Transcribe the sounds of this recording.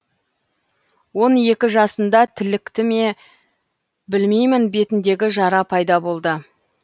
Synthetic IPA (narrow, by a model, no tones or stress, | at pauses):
wo̞nje̞kʲɪʒɑsənd̪ɑt̪ʰɪlɪkt̪ɪme̞ | bɪlmejmɪnbe̞t̪ɪnd̪e̞ɡʲɪʒɑɾɑpʰɑjd̪ɑbo̞lˠd̪ə